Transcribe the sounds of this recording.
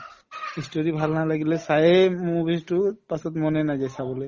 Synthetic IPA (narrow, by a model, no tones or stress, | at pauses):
istoɹibʱalnalaɡilɛsajɛmubistʊpasɔtmɔnɛnazajsabɔloj